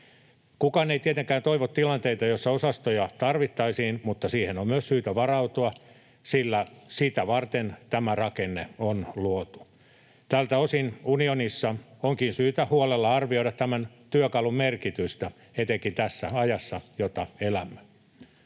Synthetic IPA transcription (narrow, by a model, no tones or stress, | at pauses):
kukɑːneit̪iet̪eŋkæːnt̪oiʋot̪t̪ilɑnt̪eit̪ɑjosːɑosɑst̪ojɑt̪ɑrʋit̪ːɑisiːnmut̪ːɑsiːhenommyøssyːt̪æʋɑrɑut̪uɑ | silːæsit̪æʋɑrt̪ent̪æmærɑkenːḛonluot̪u̥ | t̪ælt̪æosinunionisːɑoŋkinsyːt̪æhuolelːɑɑrʋioiɾɑt̪t̪æmæn | t̪yøkɑlummerkit̪yst̪æ | et̪eŋkint̪æsːæɑjɑsːɑjot̪ɑelæmːø̥